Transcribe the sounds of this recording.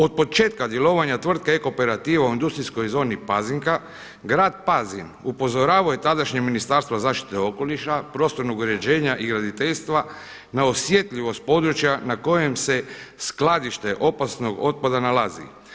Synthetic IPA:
o̞d̪̚po̞t͡ʃe̞ːt̪kad̪je̞lo̞ːʋaɲat̪ʋr̩t̪̚keeko̞pe̞ɾat̪iːʋauind̪ust̪ɾisko̞jzo̞ːnipaziŋka | ɡɾaːd̪̚pazinupo̞zo̞ɾaːʋaojet̪ad̪aʃɲeɡminist̪aːɾst̪ʋazaːʃt̪i̥t̪e̞o̞ko̞liʃapɾo̞ːst̪o̞ɾnuɡɾed͡ʑe̞ːɲaʔiɡɾad̪it̪e̞ʎst̪ʋa | naosje̞t̪ʎiʋo̞st̪̚po̞d̪ɾut͡ʃjanako̞je̞mse̞sklad̪iʃt̪e̞ʔo̞pasno̞ɡo̞t̪̚pad̪analazḭ

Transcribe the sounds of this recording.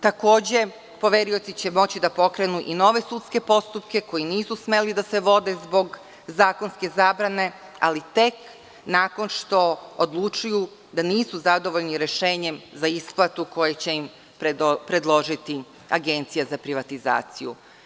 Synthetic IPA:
t̪ako̞ːd͡ʑe̞ | po̞ʋeɾio̞t̪sit͡ɕe̞mo̞t͡ɕid̪apo̞kɾe̞nuʔino̞ʋe̞sut̪ske̞po̞st̪upke̞ko̞jiniːsusme̞lid̪ase̞ʋo̞d̪e̞zbo̞ɡ | zaːko̞nske̞zaːbɾane̞ | a̰lit̪e̞k | naːko̞nʃt̪o̞od̪lˠut͡ʃuju | d̪aniːsuzad̪o̞ʋo̞ʎniɾe̞ʃe̞ːɲe̞mzaisplˠat̪uko̞jet͡ɕe̞im | ppɾe̞d̪lˠo̞ʒit̪i | aɡent̪sijazapɾiʋat̪iza̰ːt̪sijṵ

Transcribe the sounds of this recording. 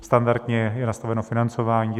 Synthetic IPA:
st̪andaɾd̪ɲɛjɛnast̪avɛnofɪnant͡sovaːɲiː

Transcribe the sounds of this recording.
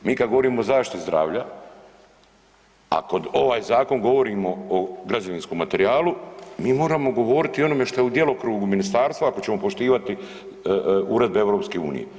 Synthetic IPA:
miːkad̪ɡoʋo̞ɾiːmo̞zaːʃt̪it̪izd̪ɾa̰ːʋʎa | a̰ko̞d̪o̞ʋaːjzaːko̞ŋɡo̞ʋo̞ɾiːmo̞oɡɾad͡ʒoʋinsko̞mːat̪e̞ɾiaːlˠumiːmo̞ːɾamo̞ɡo̞ʋo̞ːɾit̪io̞no̞me̞ʃt̪o̞jeud̪je̞lokɾuːɡuminist̪aːɾst̪ʋaako̞t͡ɕemo̞poʃt̪iːʋat̪i | uɾe̞d̪̚beeʋɾo̞ːpskeṵːnḭjḛ

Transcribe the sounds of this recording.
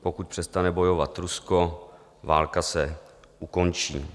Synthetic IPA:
pokut̪̚pr̥ɛst̪anɛbo̞jo̞vat̪ɾusko̞ | vaːlkasɛ | ʔuko̞nt͡ʃḭː

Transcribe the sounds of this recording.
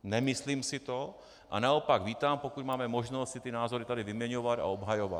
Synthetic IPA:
nɛmɪsliːmsɪt̪o | ʔa̰naopaɡviːt̪aːmpokut̪maːmɛmo̞ʒnost̪sɪt̪ɪnaːzo̞ɾɪt̪adɪvɪmɲɛɲovat̪a̰obɦajova̰t̪

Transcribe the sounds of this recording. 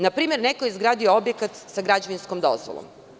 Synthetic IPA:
napɾiːme̞ɾnekoizɡɾaːd̪ijoobjekat̪saɡɾad͡ʑeʋinskomd̪o̰zʋo̰lˠo̰m

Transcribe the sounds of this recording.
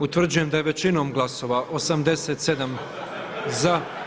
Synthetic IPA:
ut̪ʋr̩d͡ʑujemd̪aje̞ʋe̞t͡ɕino̞ːmɡlˠaso̞ʋaʔosamd̪e̞set̪se̞d̪am | za

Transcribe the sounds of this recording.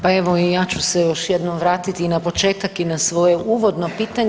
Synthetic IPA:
pae̞ʋo̞ijaːt͡ɕusejo̞ʃje̞d̪nomʋɾaːt̪it̪inapo̞t͡ʃe̞ːt̪akinasʋo̞je̞ʔuːʋo̞d̪no̞piːt̪aɲ

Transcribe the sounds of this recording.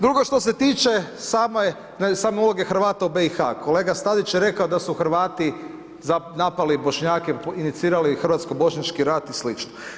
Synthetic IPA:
d̪ɾuɡo̞ʃt̪ose̞t̪iːt͡ʃe̞saːmoje | nsaːmeulˠo̞ɡe̞xɾ̩ʋaːt̪aube̞ixa̰kʰo̞le̞ːɡast̪ad̪it͡ʃjeɾe̞kaod̪asuxɾ̩ʋaːt̪i | zanapalibo̞ʃɲaːkeinit̪siːɾalixrɾʋaːt̪skobo̞ʃɲat͡ʃkiɾat̪islit͡ʃno

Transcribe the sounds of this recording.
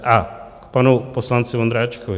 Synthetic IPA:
ako̥panoposlˠanseʋond̪ɾat͡ʃi̥koʋ

